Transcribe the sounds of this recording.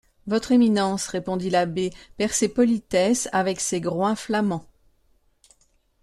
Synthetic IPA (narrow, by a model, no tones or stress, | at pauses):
vɔt̪χeminɑ̃sʁepɔ̃d̪ilabepɛʁsepɔlit̪ɛsavɛkseɡʁwɛ̃flamɑ̃